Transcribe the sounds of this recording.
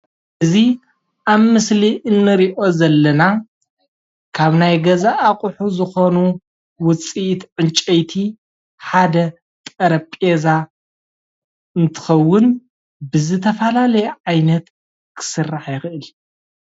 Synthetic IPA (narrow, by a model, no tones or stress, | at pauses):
ʔɨzi | ʔaβmɨsliʔɨnːɨɾiʔo̞zɐlːɐna | kʰaβnajɡɐzaʔːkʼʊħuzɨxo̞nu | wʊt͡sʼit̪ʕɨnt͡ʃʼɐjt̪ʰi | ħad̪ɐ | t̪ʼɐɾɐpʼeza | ɨnt̪ʰɨ̥xɐwːʊn | bɨzɨt̪ʰɐfɐlalɐjɛʕajnɐt̪ | kʰɨ̥sɨrːaħjɪxɨʔɨl